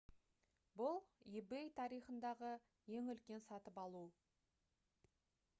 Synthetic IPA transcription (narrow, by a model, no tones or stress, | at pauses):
bʊlˠibejt̪ʰɑɾijχənd̪ɑʁə | je̞ŋʏlkʲe̞nsɑt̪əpɑlˠu